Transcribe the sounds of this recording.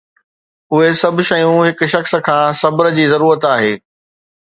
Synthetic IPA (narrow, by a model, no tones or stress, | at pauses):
ʊɦesɐbʱʃɐjũɦɪk̆ʃɐxskʰãːsɐbɾ̆d͡ʑiːzɐɾuːɾət̪aːɦeː